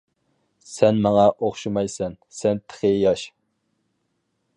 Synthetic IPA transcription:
sɛnmɑŋɑʔoχʃumɑjsɛn | sɛnt̪ʰə̥χejɑʃ

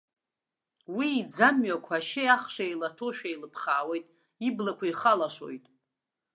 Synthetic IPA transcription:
wiːd͡zamɥakʷʰaʃejaχʂajlatʰo̞ʃᶣajlɨpʰχaːwejtʼ | iblakʷʰaiχalaʃo̞̰jtʼ

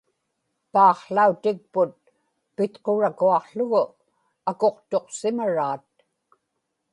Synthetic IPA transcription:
pɑːχɬaut̪ɪk̚pʊt̪̚ | pɪt̪qoɻakuɑqɬʊɣʊ | ako̞qt̪o̞qsɪmaɻaːt̪̚

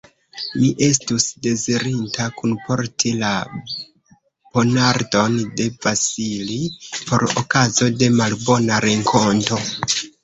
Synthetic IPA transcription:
miʔe̞s̬tusde̞ziɾintʰakunpo̞ɾtʰila | po̞naɾdo̞nde̞vasilipo̞ɾo̰kazo̞de̞malbo̞naɾe̞ŋkʰo̞nto̞

